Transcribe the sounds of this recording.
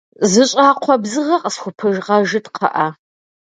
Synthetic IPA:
zɨɕʼaːqʷʰɔbzɨʁɐqʼəsxʷʊpʰɨʒʁɐʒɨtqʰɐ̰ʔɐ

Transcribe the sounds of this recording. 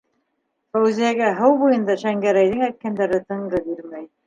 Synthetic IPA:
fæwzijæɡæɦɤwbujɤ̆nd̪ɑʃæŋɡæɾæjðɘŋæjt̪̚kænd̪æɾɘt̪ɤ̆ɴʁɤbiɾmæj

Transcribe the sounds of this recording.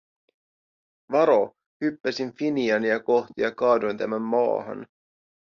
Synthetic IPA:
ʋɑɾo̞ | hypːæsinfiniɑniɑkoxt̪ijɑkɑːdojnt̪æmæmːɑ̰ːɦɑ̰n

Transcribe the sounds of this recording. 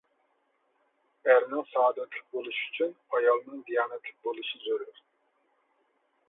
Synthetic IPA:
æɾnɛsɑːd̪ɛt̪ʰlˠɨ̥k̚bolˠuʃyt͡ʃʰynɑjɑlˠnɯnd̪ijɑːnɛt̪ʰlˠɨk̚bolˠuʃɯzøɾyɾ

